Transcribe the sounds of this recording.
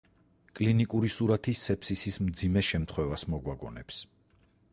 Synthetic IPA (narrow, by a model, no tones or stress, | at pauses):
kʼlinikʼuɾisuɾat̪ʰisɛpʰsisismd̪zimɛʃɛmt̪ʰχwɛvasmɔɡwaɡɔnɛps